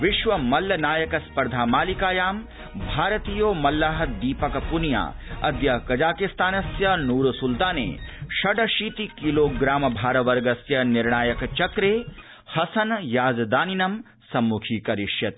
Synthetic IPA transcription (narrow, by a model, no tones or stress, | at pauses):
ʋɪʃʋɐmɐlːɐnaːjɐkɐspɐɾd̪ʱaːmaːlikaːjaːm | bʱaːɾɐt̪iːjoːmɐlːaːɦɐd̪iːpɐkɐpunja̰ːɐ̰d̪jɐkɐd͡ʒaːkist̪aːnɐsjɐnuːɾusult̪aːnḛːʃɐɖɐʃiːt̪ikiloːɡɾaːmɐbʱaːɾɐʋɐɾɡɐsjɐniɾɳaːjɐkɐt͡ʃɐkɾeː | hɐsɐnjaːd͡ʒɐd̪aːninɐm | sɐmːukʰiːkɐɾiʃjɐt̪